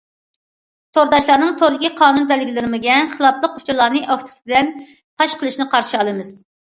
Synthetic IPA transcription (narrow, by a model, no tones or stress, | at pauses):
t̪ʰoɾd̪ɑʃlˠɑːnɨŋt̪ʰoɾlˠɨkʲʰiqʰɑːnunbɛlɡʲilɪɾɪmɪɡʲɛχəlˠɑplˠəqu̥t͡ʃʰɑlˠɑːnɨʔɑft̪ʰʊ̥t̪ʰt̪̚ʰd̪ɛn | p̪ʰɑʃqʰəlˠɨʃnɨqʰɑɾʃiɑlˠɨmɨz̥